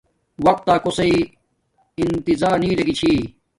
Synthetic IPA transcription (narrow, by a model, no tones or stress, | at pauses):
wɐk̚t̪ːaːkosɐi | int̪izaːɾniːɾɐɡit͡ɕʰiː